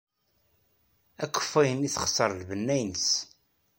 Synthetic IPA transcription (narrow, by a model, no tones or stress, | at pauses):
ækʷːə̥fːæjəniθχə̥sˤːəɾˤlvənːæjnəs